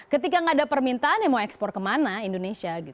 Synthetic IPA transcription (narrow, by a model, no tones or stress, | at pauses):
kət̪̬ikaŋadapərmint̪aːnjamauɛkspɔr̚kəmanaindonesiaɡit̪u